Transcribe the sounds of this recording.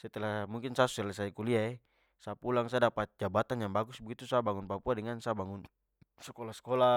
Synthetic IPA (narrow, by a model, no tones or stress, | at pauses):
sat̪ɛlamuŋkinsasuɛlas̬aikuliaɛ | sapulaŋsadapat̪̚d͡ʒabat̪anjaŋbaɡusbɛɡit̪usabaŋunpapuadɛŋansabaŋun | sɛkɔlasɛ̥kɔla